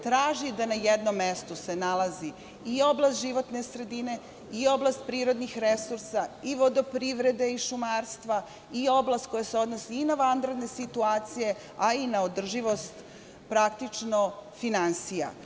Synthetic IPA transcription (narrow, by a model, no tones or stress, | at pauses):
t̪ɾaːʒid̪anajed̪nomːest̪use̞nalˠazi | io̞blast̪ʒiʋo̞t̪ne̞sɾe̞d̪ine̞ | io̞blˠast̪̚pɾiːɾo̞d̪nixɾesuɾsaiʋo̞d̪opɾiʋɾe̞d̪eiʃumaːɾst̪ʋa | io̞blˠast̪̚ko̞jase̞o̞d̪nosiːnaʋand̪ɾed̪ne̞sit̪uaːt̪sije̞ | ainaod̪r̩ʒiʋo̞st̪ | pɾakt̪it͡ʂnofinansija̰